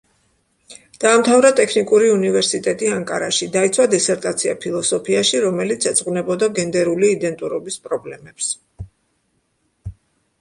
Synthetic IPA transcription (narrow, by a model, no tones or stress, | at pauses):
d̪̥aːmt̪ʰavɾat̪ʼɛkʰnikʼuɾiunivɛɾsit̪ʼɛt̪ʼiaŋkʼaɾaʃid̪ait̪sʰwad̪ɛsɛɾt̪ʼat̪sʰia̰pʰilˠɔsɔpʰiaʃiɾɔmɛlit̪sʰɛt̪sʼqʼvnɛbɔd̪aɡɛnd̪ɛɾuliːd̪ɛnt̪ʼuɾɔbispʼɾɔblɛmɛps